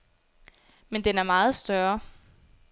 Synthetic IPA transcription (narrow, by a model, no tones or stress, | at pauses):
mend̥enæɐmɑ̈ːð̞̩ˠsd̥ɶɐ